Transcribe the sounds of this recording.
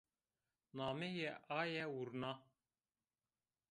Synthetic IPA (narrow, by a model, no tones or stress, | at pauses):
naːmɛjɛʔɑːjɛwuɾnɑ